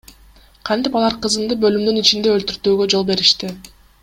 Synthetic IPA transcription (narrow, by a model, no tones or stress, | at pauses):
qʰɑnt̪ipɑlˠɑɾqɯzɯnd̪ɯbø̞lymd̪ynit͡ʃind̪e̞ølt̪yɾt̪yːɡø̞d͡ʒo̞lˠbe̞ɾiʃt̪i